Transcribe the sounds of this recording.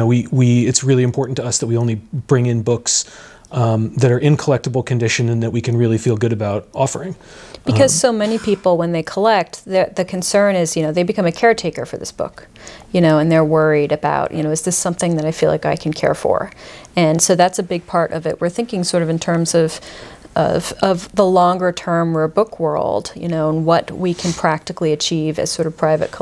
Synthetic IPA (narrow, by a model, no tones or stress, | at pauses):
oʊwiwiɪtsɹɪlˠiɨ̃mpʰɔɹʔn̩tʰɨʌsðɨt̚wiõʊ̃nlib̥ɹɪ̃ŋɨ̃nbʊks | ðɨɾə˞ʔɪ̃nkʰəlɛk̚təbl̩ˠkʰɨ̃ndɪʃɨ̃nɨ̃nðɨt̚ʔ̚wikʰɨ̃nɹɪlˠifilˠɡʊɾɨbaʊɾʔɔfə˞ɪ̃ŋ | b̥ɨkʰʌz̥soʊmɛnipʰipl̩ˠwə̃nðeɪkʰəlɛk̚t̚ðə˞ðɨkʰɨ̃n̩sɜ̃˞nɪzjɨñoʊðeɪbɨkʰʌ̃mɨkʰɛɹtʰeɪkə̰˞fə̰˞ðɪ̰sb̥ʊ̰k | jɨnoʊɨ̃nðə˞wɜ˞iɾɨba̰ʊʔjʔɨñoʊɨzðɪsʌ̃mθɪ̃ŋðɨɾaɪfilˠa̰ɪkaɪkʰn̩kʰɛ̰ɹfə̰˞ɨ̃nsoʊðætsɨbɪɡ̚pʰɑɹɾʔʌ̰vɪ̰t̚wɨɹθɪ̃ŋkɪ̃ŋsɔɹɾʌvɨ̃ntʰɜ̃˞mzʌv̥ʔʌ̰v̥ʌvðəlɔ̃ŋɡə˞tʰɜ̃˞mwə˞bʊkʰwɜ̰˞lˠd̥jɨ̰noʊə̃nwʌt̚wikʰɨ̃npʰɹ̥æk̚tɨkliɨt͡ʃʰivɨ̰z̥sɔɹɾʌv̥pʰɹ̥aɪvɨ̰t̚kʰ